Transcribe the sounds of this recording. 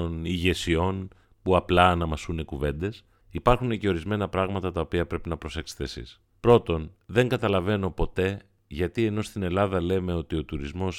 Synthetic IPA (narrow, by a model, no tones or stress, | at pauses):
niʝe̞sio̞n | puɐplɐːnɐmɐsunekuve̞nd̪e̞s | ipɐɾxune̞ce̞o̞ɾizme̞nɐpɾɐɣmɐt̪ɐt̪ɐopiɐpɾe̞pinɐpɾo̞se̞xst̪esḭs | pɾo̞t̪o̞nðe̞ŋɡɐt̪ɐlɐve̞no̞po̞t̪e̞ | ʝɐt̪ie̞no̞st̪ine̞lɐðɐle̞me̞o̞t̪io̞t̪uɾizmo̞s